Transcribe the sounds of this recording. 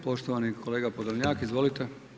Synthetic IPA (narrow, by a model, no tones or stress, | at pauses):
po̞ʃt̪oʋanikʰo̞leːɡapod̪ɲaːkizʋo̞lit̪e